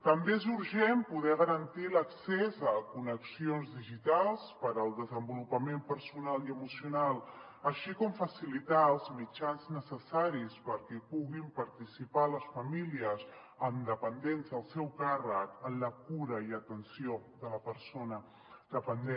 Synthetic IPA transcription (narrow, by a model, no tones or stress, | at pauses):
t̪əmbeezuɾʒempuðɛɣ̞əɾənt̪iləksezəkunəksionzðiʒit̪alˠspəɾəlˠd̪əzəmbulupəmempəɾsunaliəmusiunalˠ | əʃikɔmfəsilit̪aəlˠzmit͡ʃanznəsəsaɾispəɾkɛpuɣimpəɾt̪isipaləsfəmiliəz | əmd̪əpənd̪enzðəlˠsɛwkarəkənləkuɾəiət̪ənsioðələpəɾsonə | d̪əpənd̪e